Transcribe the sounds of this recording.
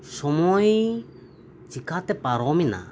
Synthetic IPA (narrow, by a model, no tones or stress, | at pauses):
sɔmɔi | t͡ʃikat̪epaɾɔmina̰